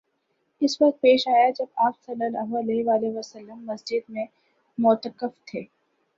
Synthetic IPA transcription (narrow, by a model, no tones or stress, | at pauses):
ɪsʋɐq̚t̪̚peːʃaːjad͡ʒɐbaːpsɐlːəlɐɦɐleʋaːleʋɐsəlːəmːɐsd͡ʒɪd̪mẽ | mʊt̪əkəft̪ʰeː